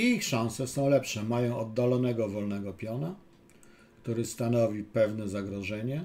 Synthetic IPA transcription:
ixʂãw̃sɛsɔ̃w̃lɛpʂɛmajɔ̃w̃ɔd̪ːalɔnɛɡɔvɔlnɛɡɔpʲjɔna | kt̪uɾɘst̪an̪ɔvʲipɛvnɛzaɡɾɔʐɛɲɛ

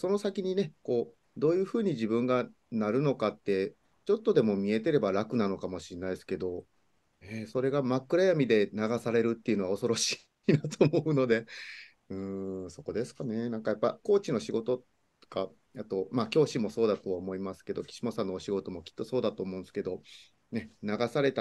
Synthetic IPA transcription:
so̞no̞sakʲiɲ̟ine̞ko̞ː | d̪o̞ːjɯ̟ːɸɯ̟ːɲ̟iʑibɯ̟̃ŋɡa | naɾɯ̟no̞kat̪ːe̞ | t͡ɕo̞t̪ːo̞d̪e̞mo̞mʲie̞t̪e̞ɾe̞baɾakɯ̟nano̞kamo̞ɕinːaisɨ̥ke̞d̪o̞ | eːso̞ɾe̞ɡamakːɯ̟ɾajamʲid̪e̞naɡasaɾe̞ɾɯ̟t̪ːe̞iɯ̟no̞ao̞so̞ɾo̞ɕi̥ | nat̪oːmo̞ɯ̟no̞d̪e̞ | ɯ̟̃ːso̞ko̞d̪e̞sɨ̥kane̞nãŋkajapːa̰ko̞ːt͡ɕino̞ɕiɡo̞t̪o̞̥ | ka | at̪o̞makʲo̞ːɕimo̞so̞ːd̪at̪o̞βaomo̞imasɨ̥ke̞d̪o̞kʲi̥ɕimo̞sanːoːɕiɡo̞t̪o̞mo̞kʲi̥t̪ːo̞so̞ːd̪at̪o̞ːmõ̞ːnsɨ̥ke̞d̪o̞ | ne̞naɡasaɾe̞t̪a

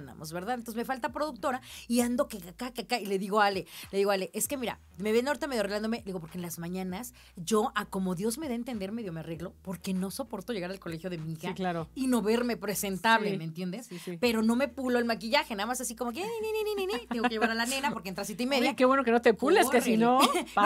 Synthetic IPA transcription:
na̰mʔozβe̞ɾðaðent̪osme̞falt̪apɾo̞ðuk̚t̪o̞ɾaiand̪o̞kekakakakaile̞ðiɣo̞ale̞le̞ðiɣoale̞ʔeske̞miɾa̰ | meβend̪aoɾit̪ame̞ðjaɾreland̪omed̪iɣo̞poɾkenlazmãɲãnas | ʝo̞ʔako̞mo̞ðjo̞zme̞ðaent̪end̪e̞ɾmeðjo̞meare̞ɣlo̞po̞ɾke̞no̞so̞po̞ɾt̪oʝe̞ɣaɾalko̞le̞xjo̞ðe̞miixaklaɾoino̞βe̞ɾme̞pɾese̞nt̪aβlemeːnt̪je̞nd̪espe̞ɾo̞no̞me̞puloelmakiʝaxenaðamasasikomok̬eninininininit̪eŋɡkeʝeβaɾalanenapo̞ɾkeent̪ɾasit̪aimeðjakeβwenokenot̪epuleseino

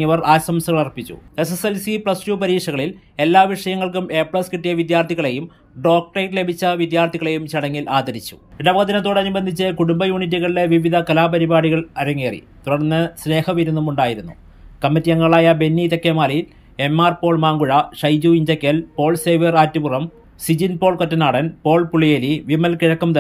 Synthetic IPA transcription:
iʋɐraːsɐmsɐɣɐɭɐrpːit͡ɕːṵe̞seselsiprɐsnuːpɐɾiːkʂɐɣɐɭil | e̞lːaːʋiʂɐjɐŋːɐɭkume̞ːpɭɐskiʈːijɐʋid̪jaːrt̪ʰiɣɐɭe̞jum | ɖo̞ːk̚ʈɐjʈle̞bʱit͡ɕːɐʋid̪jaːrt̪ʰiɣɐɭe̞jumt͡ɕɐɽɐŋːilaːd̪ʱɐɾit͡ɕːu̥̰iɽɐbɐɐt̪ːinɐt̪ːoɽeɐnibɐnd̪ʱit͡ɕːɨkuɽumbɐjuːɳit̬ːiɣɐɭile̞ʋiʋid̪ʱɐkɐlaːpɐɾibaːɽiɣɐɭɐɾɐŋːeːrḭt̪uɽɐrnːɨsne̞ːhɐʋiɾunːumuɳɖaːjiɾunːṵ | kɐmːitːijɐŋːɐɭaːjɐbenːit̪ɐkːemaːlɐjil | e̞maːrpo̞ːɭmaːŋɡuɻɐʂɐjd͡ʑuiɲd͡ʑɐkːɐlpo̞ːɭseːʋɐraːtːipurɐm | sid͡ʑinpo̞ːɭkotːɐnaːɽɐnpo̞ːɭpuɭijeliʋimːɐlkiɻɐkːɐmt̪ɐ

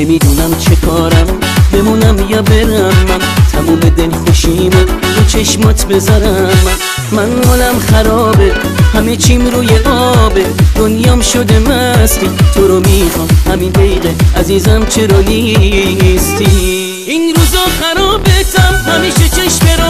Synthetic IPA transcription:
nemiːd̪uːnæmt͡ʃʰe̞kʰɒːɾæm | be̞munæmjɒbe̞ɾæmːænt̪ʰæmuːme̞d̪e̞lkeʃimond̪ot͡ʃʰeʃmɔt̪ʰbe̞zɔɾæmː | ænhɔːlæmxæɾɔːbe̞ | hæmet͡ʃʰimɾuːjeʔɒːbed̪̥onjɒmʃod̪emæst̪it̪ʰoɾɔmiːχɒmhæminb̪ejɣeæziːzæmt͡ʃʰe̞ɾɒːni | st̪ʰi | inɾuːzɒxæɾɔːbet̪ʰæmhæmiːʃet͡ʃʰeʃmeɾ

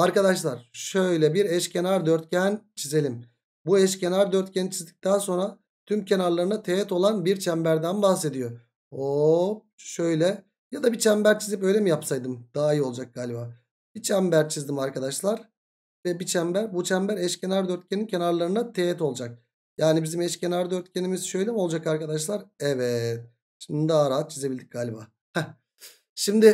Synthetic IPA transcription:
aɾkad̪aʃlˠaɾ̥ʃø̞jlʲɛbiɾɛʃcʰenaɾd̪øɾt̪̚cʰænt͡ʃʰize̞lʲim | buɛʃcʰenaɾd̪øɾt̪̚cʰænt͡ʃʰizd̪i̥c̚t̪aːso̞nɾa | t̪ʰymcʰenaɾlˠaɾɯnat̪ʰeɛt̪o̞lˠanbiɾt͡ʃʰɛmbæɾd̪ænbaxse̞d̪ijo̞ | o | ʃøjlʲɛ | jad̪abit͡ʃʰɛmbæɾt͡ʃʰizipø̞jlʲɛmijapsajd̪ɯmd̪̥aːjiolˠd͡ʒak̚ɡ̥aːlʲibaː | b̥it͡ʃʰæmbæɾt͡ʃʰizd̪imaɾkad̪aʃlˠaɾ | vɛbit͡ʃʰæmbæɾbut͡ʃʰæmbæɾɛʃcʰe̞naɾd̪øɾt̪̚cʰenincʰe̞naɾlˠaɾɯnat̪ʰejɛt̪o̞lˠud͡ʒak̚ | jaːnibizimɛʃcʰenaɾd̪øɾt̪cʰʲenimizʃøjlʲɛmo̞lˠd͡ʒakaɾkad̪aʃlˠaɾɛvɛt̪̚ | ʃimd̪id̪aɾaat̪̚t͡ʃʰizebilʲd̪ic̚ɡ̥aːlʲibaː | ha | ʃimd̪ɪ

